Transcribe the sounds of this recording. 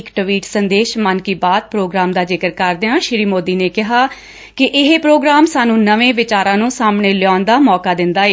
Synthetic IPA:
kʈəʋiːʈsənd̪eːʃmənkiːbaːd̪̚pɾoːɡɾaːmd̪aːd͡ʒɪkəɾkəɾd̪eãːʃɾiːmoːd̪iːneːkɪɦaː | kɪʔɪɦepɾoːɡɾaːmsaːnũːnəʋẽːʋɪt͡ʃaːɾãːnũːsaːmɳeːlɪɔːnd̪aːmɔːkaːd̪ɪnd̪aːeː

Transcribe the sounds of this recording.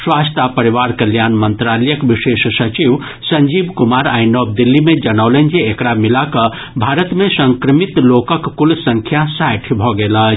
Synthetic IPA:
swast̪apəɾiʋaɾkəljanmənt̪ɾaləjəkʋiʃeʃsət͡ʃiʋ | səɲd͡ʒibkumaɾajnɔb̚d̪ilːimed͡ʒənəwlənd͡ʒeːkɽamilakə | bʱaɾət̪mesə̃ŋkɾəmit̪lokəkːulsə̃ŋkʰjasajʈʰibʱɔɡelə

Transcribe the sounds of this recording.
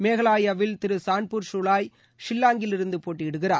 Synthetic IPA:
meːɣɐɭaːjɐʋɪlt̪ɪɾɯsaːɳpuːɾsʊɭaːj | ʂɪlːaːŋɡɪlɪɾɯnd̪ɯpoːʈːiɪɽɯɣɪraːɾ

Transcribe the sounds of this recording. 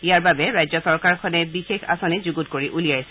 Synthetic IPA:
iaɹbabɛɹajzɔsɔɹkaɹkʰɔnɛbixexa̰sɔnizuɡutkoɹiʔulijajs

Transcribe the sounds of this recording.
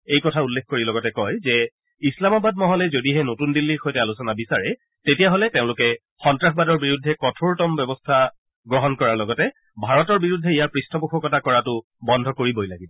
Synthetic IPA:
ejkɔtʰaulːekʰkoɹilɔɡɔtɛkɔjzɛ | islamabadmɔɦɔlɛzodiɦɛnotundilːiɹxɔjtɛalusɔnabisaɹɛ | tetijaɦolɛteʊ̃lʊkɛ | xɔntɹaxʰbadɔɹbiɹudʱːɛkɔtʰoɹtɔmbɔbɔstʰa | ɡɹɔɦɔnkɔɹaɹlɔɡɔtɛ | bʱaɹɔtɔɹbiɹudʱːɛijaɹpɹistʰɔpuxʰɔkɔtakɔɹatʊ | bɔndʱɔkoɹibɔjlaɡibɔ

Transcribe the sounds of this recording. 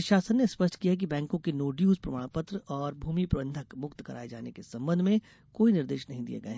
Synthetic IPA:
ʃaːsənːespəʃʈʰkijak̬ibɛ̃ːŋkõkenoːɖijuːzpɾɐmaːɽ̃pət̪ɾəɔːɾbʱuːmipɾɐbə̃nd̪ʱəkmʊkt̪kɐɾʔa̰ːed͡ʒaːnekesɐ̃mbənd̪ʱmẽ | koːinɪɾd̪eːʃnɐɦĩd̪ḭḛɡɐeɦ

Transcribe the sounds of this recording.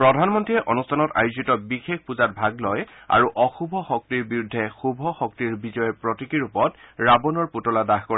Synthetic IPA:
pɹɔdʱanmɔntɹiɛʔɔnustʰanɔta̰juzitɔbixekpuzat̚bʱaɡlɔja̰ɹuʔɔxubʱɔxɔk̚tiɹbiɹudʱːɛxubʱɔxɔk̚tiɹbizɔjɔpɹɔtikiɹupɔtɹabɔnɔɹputɔladaxkɔɹa

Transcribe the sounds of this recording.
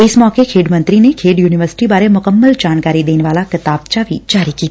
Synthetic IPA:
ɪsmɔːkekʰeːɖmɐ̃nt̪ɾinekʰeːɖjuːnɪʋəɾsɪ̥ʈibaːɾemʊkəmːəld͡ʒaːnkaːɾid̪eːneʋaːlakɪt̪aːb̚t͡ʃabʱḭd͡ʒaːɾikiːt̪ː

